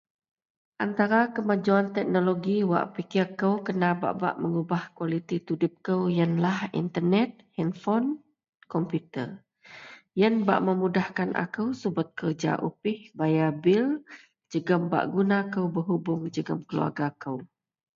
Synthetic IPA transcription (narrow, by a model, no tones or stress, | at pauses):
ʔant̪aɾakəmad͡ʒuant̪ɛk̚noloɡiwa̰ʔpikirkəwkənaba̰ʔba̰ʔməŋubahkualit̪it̪udʊp̚kəwjənlahḭnt̪ərnɛt̪̚hɛnfɔn | kɔmpjut̪ə̰r | jənba̰ʔməmudahkanʔa̰kəwsubʊt̪̚kərd͡ʒa̰ʔupɪhbajabɪl | d͡ʒəɡəmba̰ʔɡunakəwbəɦubʊŋd͡ʒəɡəmkəlṵa̰ɡakəw